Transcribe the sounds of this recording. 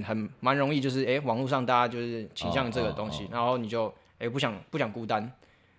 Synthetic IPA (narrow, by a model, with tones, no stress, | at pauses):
nxə˨˩nma˨˦nɻo˧˥ŋi˥˧t͡ɕjo˥˧ʊʂ̬ɻ̩˥˩e˥ɪwɑ˨˩ŋlu˥˧ʂɑ˥˧ŋt̪a˥˧a˥t͡ɕjo˥˧ʊʂɻ̩˥˩t͡ɕʰi˨˩ɕjɑ˥˧ŋʈ͡ʂɤ˥˩ɡə˨˩t̪o˥˦ŋɕi˦na˨˧˦nxo˥˩ʊni˨˩t͡ɕjo˥˩ʊ | e˥ɪpu˥˩ɕ̬jɑ˨˩ŋpu˥˩ɕjɑ˨˩ŋku˥˩t̪a˦n